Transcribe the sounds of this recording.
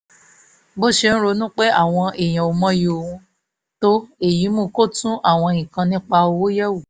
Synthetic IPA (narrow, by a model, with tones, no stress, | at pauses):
bo˦ʃe˧˦n̩˦ɾo˧˦nũ˦k͡pe˦a˦˨w̃ɔ̃˧e˨j̃ã˨o˧mɔ̃˦jo˧˨o˨ũ˧ | to˦e˦˨ji˨˦mũ˦ko˦tũ˦ʔa˦˨w̃ɔ̃˧ĩ˨kã˧nĩ˦k͡pa˧o˧wo˦jɛ˦wu˦˨